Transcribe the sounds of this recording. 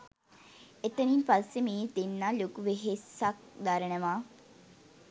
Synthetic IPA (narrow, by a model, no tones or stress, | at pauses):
et̪əninpasːemiːd̪enːaːlokuʋeɦesak̚d̪aɾənəʋaː